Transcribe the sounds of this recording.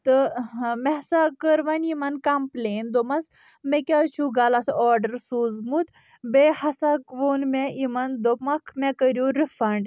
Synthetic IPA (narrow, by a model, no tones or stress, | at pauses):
t̪əmɛsakəɾʋanimankamplend̪omas | mekʲat͡ʃʰuɡalat̪ʰɔɾɖəɾsuzmut̪ | behɐsakʋonmɛʔimand̪omakʰmɛkəɾjuɾifɐɳɖ